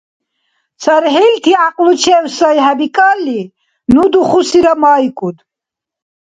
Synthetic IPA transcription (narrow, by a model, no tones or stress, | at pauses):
t͡sʰaɾɦɛlt̪ʰiaqʼlut͡ʃʰɛːwsajɦabikʼalːi | nud̪uχusiɾamaikʼud̪